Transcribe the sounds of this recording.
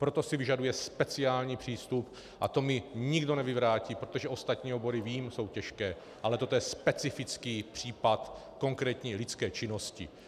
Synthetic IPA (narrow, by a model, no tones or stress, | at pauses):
pɾo̞t̪o̞sɪvɪʒadujɛspɛt͡sɪaːlɲiːpr̥iːst̪up | ʔat̪o̞mɪɲɪɡdo̞nɛvɪvɾaːciːpɾot̪oʒɛʔo̞st̪at̪ɲiːobo̞ɾɪviːmso̞wcɛʃkɛː | ʔalɛt̪o̞t̪ojɛspɛt͡sɪfɪt͡skiːpr̝̥iːpat̪ | ko̞ŋkɾɛːt̪ɲiːlɪt͡skɛːt͡ʃɪno̞scɪ̰